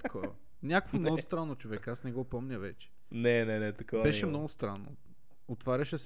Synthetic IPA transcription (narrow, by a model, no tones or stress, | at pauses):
ɐ̥kʰɔɐ̰ | nʲakəkvomnɔɡʊst̪ɾanːot͡ʃovɛkasnɛɡɔpɔmnʲɐvɛt͡ʃɛ̥ | nɛnɛnɛt̪ɐkɔbɛʃɛmnɔɡʊst̪ɾanːo̰ | ot̪vaɾʲɐʃɛs